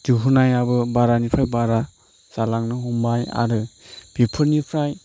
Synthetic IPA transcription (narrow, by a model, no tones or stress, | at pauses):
duɦunajabɯbaɾanipʰɾajbaɾa | z̥alaŋnɯɦumbaja̰ɾɯb̥ipʰɯɾnipʰɾaj